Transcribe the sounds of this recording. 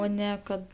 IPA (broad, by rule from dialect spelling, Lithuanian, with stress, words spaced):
ˈoː ˈnʲɛ kɐt